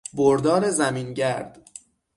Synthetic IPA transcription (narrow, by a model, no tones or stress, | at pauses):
boɾd̪ɒːɾezæmiːnɟæɾd̪̥